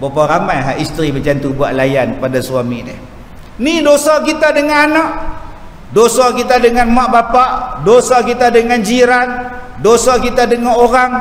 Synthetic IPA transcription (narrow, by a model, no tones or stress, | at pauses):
bopaɾamajɦaʔist̪ɾibəd͡ʒant̪ubuaʔlajankəpadasuamidɛh | nidosakit̪adəŋananak | dosakit̪adəŋanmaʔbapaʔdosakit̪adəŋand͡ʒiɾandosakit̪adəŋaoɾaŋ